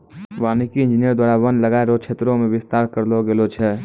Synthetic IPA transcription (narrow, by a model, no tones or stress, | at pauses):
ʋaːnikiɪ̃nd͡ʒinijəɾd̪waːɾabənləɡaːeɾot͡ʃʰeːt̪ɾõmẽʋɪst̪aːɾkəɾloɡelot͡ʃʰɛ